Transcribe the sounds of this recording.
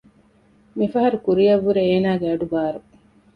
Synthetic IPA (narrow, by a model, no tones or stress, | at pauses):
mifɐɦɐɾukuɾijɐʋːuɾeeːnaːɡeɐɖubaːɾu